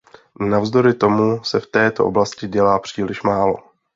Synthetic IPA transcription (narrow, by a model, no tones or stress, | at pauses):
navzd̪o̞ɾɪt̪o̞musɛft̪ɛːt̪o̞̰ʔoblascɪɟɛlaːpr̝̥iːlɪʃmaːlo̞̰